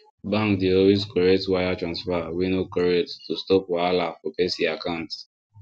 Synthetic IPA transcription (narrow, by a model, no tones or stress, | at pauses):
bãŋkdeɔlwezkɔɹetwajatɹãnsfaawinokɔɹettustɔpwalafɔpɛsiakãʊ̃nt